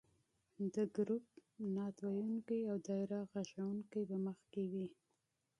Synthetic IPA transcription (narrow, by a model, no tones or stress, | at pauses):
d̪əɡɾup̚nɑt̪wajuŋkajawd̪ɑɪɾaɣaʃawuŋkajbaməxkewi